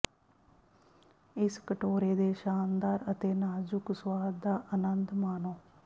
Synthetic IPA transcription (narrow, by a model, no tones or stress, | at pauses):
ɪskəʈoːɾeːd̪eːʃaːnd̪aːɾət̪eːnaːd͡ʒʊkswaːd̪̚d̪aːʔənənd̪maːnoː